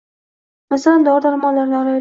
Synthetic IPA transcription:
masaland̪ɒɾd̪aɾmɒnlaɾnɪɒɾaj

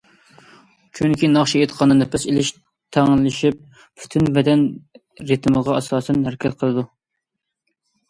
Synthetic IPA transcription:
kʲʰyŋkʲʰinɑχʃiet̪qʰɑnɨnɨpʰɪselɪʃ | t̪ʰæŋlɪʃip̚ | pʰy̥t̪ʰynbɛd̪ɛn | ɾɨt̪ʰməʁɑɑsɑːsɛnɦæɾɛkʲʰɛt̪qʰəlˠɨd̪u

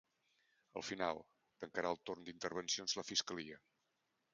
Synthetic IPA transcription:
ə̰lˠfinalˠ | t̪əŋkəɾaəlˠt̪ornd̪int̪əɾβ̞ənsionzləfiskəliə

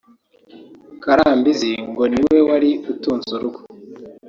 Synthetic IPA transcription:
kaɾaːmbiziŋɡo̞niwewaɾiutuːnzuɾuɡu̥

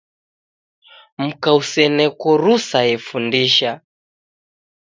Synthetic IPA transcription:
m̩kausɛnɛkɔɾusajɛfundiʃa

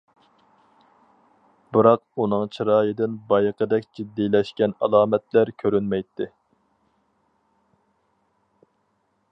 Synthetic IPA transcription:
bɨɾɑqunɨŋt͡ʃʰiɾɑːjɨd̪ɪnbɑjqʰəd̪ɛkʲd͡ʒid̪ːilɛʃkʲɛnɑlˠɑːmɛt̪læɾkʲʰøɾynmɛjt̪ʰːɪ

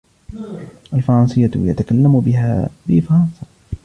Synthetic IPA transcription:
ʔalfɑɾˤɑnsˤɨjːaja̰t̪akalːamʊbɪɦa̰ːbɪfɑɾˤɑnsˤɑ

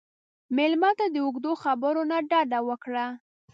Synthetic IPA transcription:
melmɑt̪ad̪əuɡd̪oxabəɾonaɖɑd̪awəkɽa

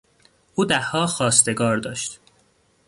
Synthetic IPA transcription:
ʔuːd̪æhːɒːxɒːst̪e̞ɡɒːɾd̪ɒːʃt̪

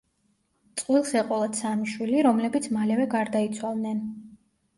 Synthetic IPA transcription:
t̪sʼqʼwilˠsɛqʼɔlˠad̪samiʃwiliɾɔmlɛbit̪sʰmalɛvɛɡaɾd̪ait̪sʰwalˠd̪nɛn

